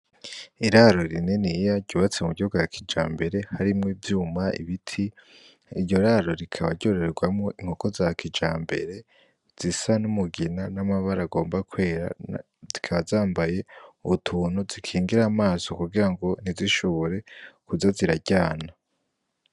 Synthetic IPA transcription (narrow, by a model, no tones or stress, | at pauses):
iɾaɾo̞ɾinenijaɟɟuːβat͡semuɡihuɡojakʰid͡ʒa̰ːmbe̞ɾe̞haɾimŋevjuːmaḭβitʰi | iɾɟo̞ɾaɾo̞ɾikʰaβaɾɟo̞ɾeɾeɡwamŋoʔiŋ̥ho̞ko̞zakʰid͡ʒaːmbe̞̰ɾe̞ | z̥isanumuɡinanamaβaɾaɡo̞ːmbakwe̞ːɾa̰ | zikʰaβazaːmbaje̞uβutʰuːnuzikʰiːŋɡiɾaːmaːso̞kuɡiɾaŋɡo̞niziʃo̞βo̞ɾe̞kuzaziɾaɟaːna